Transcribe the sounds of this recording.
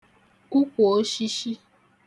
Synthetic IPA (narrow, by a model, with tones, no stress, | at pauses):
ku˦ko˨o˦ʃi˧ʃi˦